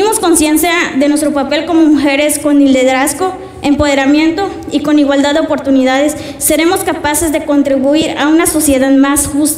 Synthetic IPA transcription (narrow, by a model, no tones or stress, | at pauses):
imo̞sko̞nsje̞nsjaðe̞nwest̪ɾo̞pape̞lko̞mo̞muxe̞ɾe̞sko̞nild̪e̞ðɾasko | e̞mpo̞ð̞e̞ɾamje̞nt̪o̞ | iko̞niɣwald̪aðeopoɾt̪uniðaðe̞sː | e̞ɾe̞mo̞skapase̞zðe̞ko̞nt̪ɾiβuiɾaunaso̞sje̞ðaðmasxust̪